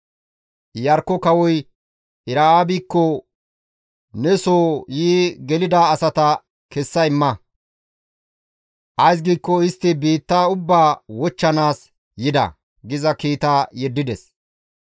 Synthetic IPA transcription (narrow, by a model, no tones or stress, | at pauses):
jɐɾkːɔkɐwɔj | ɪɾaaːbikːɔ | nɛsoːjiːɡɛlɪd̪aːsɐt̪ɐ | kɛsːɐɪmːɐ | ʔɐjs̬ɡiːkːɔɪst̪ːɪbiːt̪ːaːʊbːaːwɔt͡ʃːɐnaːs | jɪd̪ɐ̰ | ɡɪzɐkiːt̪aːjɛd̪ːɪd̪ɛs